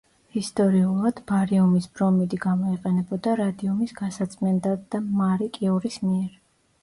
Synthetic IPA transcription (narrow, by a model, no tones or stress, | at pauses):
hist̪ʼɔɾiulˠad̪̥baɾiɔmisbɾɔmid̪iɡamɔiqʼɛnɛbɔd̪aɾad̪iɔmisɡasat̪sʼmɛnd̪ad̪amaɾikʼiɔɾismiɛɾ